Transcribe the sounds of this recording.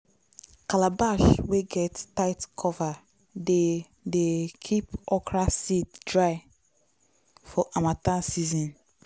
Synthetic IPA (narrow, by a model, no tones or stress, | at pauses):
kalabaʃweɡɛttaɪtkʰɔva | de | dekʰipɔkɹasitdɹaɪ | fɔʔamatãsizɔ̃n